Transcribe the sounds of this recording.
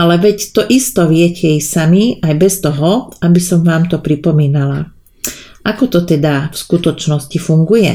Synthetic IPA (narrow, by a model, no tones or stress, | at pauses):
alɛʋɛct̪ɔʔist̪ɔʋɪɛcɛɛjsamiajbɛst̪ɔɦɔabisɔmʋaːmt̪ɔpɾipɔmiːnala | ʔakɔt̪ɔt̪ɛd̪afskut̪ɔt͡ʃnɔscifuŋɡujɛ̰